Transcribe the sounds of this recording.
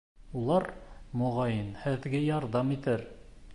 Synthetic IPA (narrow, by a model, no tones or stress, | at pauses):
ulˠɑɾmŏʁɑjɤnhɘ̆ðɡɘjɑɾðɑmit̪ɘɾ